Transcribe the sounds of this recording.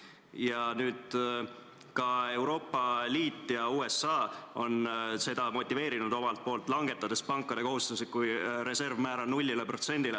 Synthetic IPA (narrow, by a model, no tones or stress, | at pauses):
jɑnyːd̪̥ | kɑe̞wɾo̞ːpːˑɑliːt̪ːˑjɑuːe̞sːɑːo̞nse̞d̪̥ɑmo̞t̪ʲːˑive̞ːɾinud̪̥o̞mɑlt̪̚po̞ːlt̪ːˑlɑŋɡ̥e̞t̪ːˑɑd̪e̞spɑŋkːˑɑd̪e̞ko̞ɦust̪uset̪̚kujɾe̞se̞rvmæːɾɑnulʲːilepro̞t̪se̞nʲd̪̥ile